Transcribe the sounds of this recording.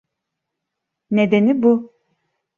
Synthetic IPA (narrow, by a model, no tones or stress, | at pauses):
ned̪enibu